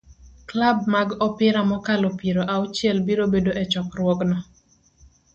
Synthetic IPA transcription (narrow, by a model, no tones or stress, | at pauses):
klab̚maɡɔpɪɾamɔkalɔpiɾoʔaʊt͡ʃɪɛlbiɾobedoʔɛt͡ʃɔkrwɔknɔ